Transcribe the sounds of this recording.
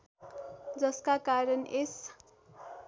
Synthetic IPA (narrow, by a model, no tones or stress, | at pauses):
d͡zʌskakaɾʌnʔes